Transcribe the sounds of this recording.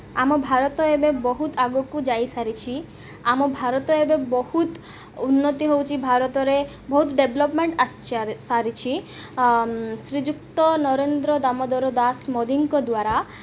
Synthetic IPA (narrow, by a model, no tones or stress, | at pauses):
amɔbʱaɾɔt̪ɔebebɔɦut̪aɡɔkud͡ʒajsaɾit͡ʃʰi | amɔbʱaɾɔt̪ɔebebɔhut̪ | unːɔt̪iɦowt͡ʃʰibʱaɾɔt̪ɔɾe | bɔɦut̪ɖeblɔpmeɳʈast͡ʃʰsaɾit͡ʃʰi | sɾid͡ʒukt̪ɔnɔɾend̪ɾɔd̪amɔd̪ɔɾɔd̪asmɔd̪iŋkɔd̪waɾa